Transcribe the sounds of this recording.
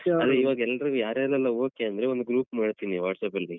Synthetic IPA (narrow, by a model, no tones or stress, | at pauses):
ɐd̪eiːʋaːɡɛlːɐɾuujaːɾɛlɛlːɐoːkiɐnd̪ɐɾeond̪uɡɾuːpmaːɽt̪iːniʋa̰ːʈsɐpɐli